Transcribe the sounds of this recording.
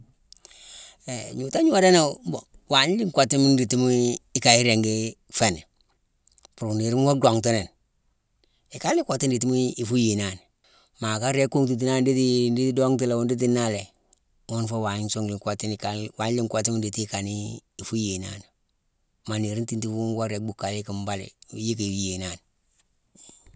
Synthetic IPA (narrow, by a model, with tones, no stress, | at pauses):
e˨ɲu˨ta˦ɲu˦wa˦da˦na˦˨m˦bo˨wa˨ɲ˦li˦ŋkwa˨ti˦mi˦ndi˨ti˦mi˦i˦ka˨i˦ɾe˨ŋɡe˦fe˨ne˨ | pu˨ɾu˨ni˨ɾi˦m˦wo˦do˨ŋti˦ne˨n | i˨ka˦li˦kʷo˨ti˦ndi˨ti˦mi˦i˨fu˦je˨na˨ni˨ | ma˨ka˦ɾe˦kːo˦ŋt̬i˨t̬i˦na˦˨ndi˦ti˦di˦ti˦do˦ŋti˦le˨wu˦ndi˦t̬i˦na˦le˨ | wo˦nfo˦wa˨so˦ŋli˨ŋko˨ti˦n˨ka˨wa˨˦li˦ŋkʷo˨ti˦m˦di˨ti˦ka˨niː˦˨fu˦je˨na̰˨n˨ | ma˨ni˨ɾi˦nti˦nti˦fu˦u˦ŋwa˦ɾe˨˦k̚bu˨kːa˨li˦ki˨mba˦lḛ˨˦ji˦kje˨na˦˨n